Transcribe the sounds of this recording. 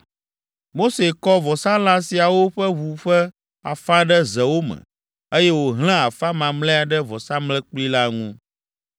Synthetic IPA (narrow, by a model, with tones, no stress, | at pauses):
mo˦se˨kɔ˦vɔ˨sã˦la˦si˨a˨wo˦ɸɛ˦βu˨ɸɛ˦ | a̰˨fa˦ɖə˦zɛ˨wo˦mɛ̰̃˨ | e˦jɛ˦wo˨ɦl̃ɛ̃˦a˨fa˦mã˨mlɛ˦a˨ɖɛ˦vɔ˨sã˦mlɛ˦k͡pli˦la˦ŋṵ̃˦